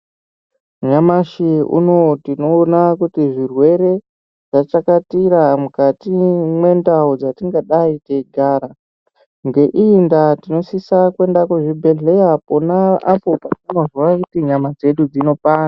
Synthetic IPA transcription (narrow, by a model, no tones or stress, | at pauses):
ɲamaʃiṵno̞tino̞nakutiʐirwe̞ɾe̞ | ʐ̥at͡ʃakatiɾamukatimwe̞ndaud͡zatiŋɡaɗaiteɡʱaːɾa | ŋɡe̞ʔindatino̞sisakwe̞ndakuʐibʱe̞ɮe̞japonaapo̞patino̞zwakutiɲamad͡ze̞ɗud͡zino̞paːna